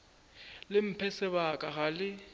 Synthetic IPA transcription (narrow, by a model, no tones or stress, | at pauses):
lɪm̩pʰɛsɛβakʼaɣalɪ